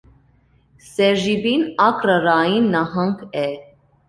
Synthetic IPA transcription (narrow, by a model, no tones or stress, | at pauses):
sɛʒibinɑkɾəɾɑjinːɑɦɑŋkʰɛ